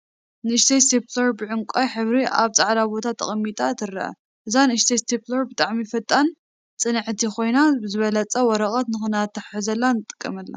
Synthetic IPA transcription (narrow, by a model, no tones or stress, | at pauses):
nɨɨʃt̪ʰest̪eplɐɾbɨʕʊŋkʷʼajħɨβɾiʔa̰βt͡sʼaʕlabo̞t̪ʰat̪ʰːɐ̰χʼɐmːit̪ʼat̪ʰɨrɐ̰ʔɐ̰ | ʔɨzanɨɨʃt̪ʰest̪ʰiplɐɾbɨt̪ʼaʕmifɐt̪ʼːan | t͡sʼɨnɨʕt̪ʰikʰo̞jnabɨzɨβɐlɐt͡sʼɐwɔɾɐχʼɐt̪nɨxɨnat̪ʰːɨħħɨzɐlːanɨt̪ʼɨ̥kʼːɐmɐlːɐ̰